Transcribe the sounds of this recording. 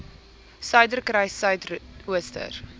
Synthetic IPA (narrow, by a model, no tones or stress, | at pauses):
sœɥdərkrɛjsœɥtuəstə̰r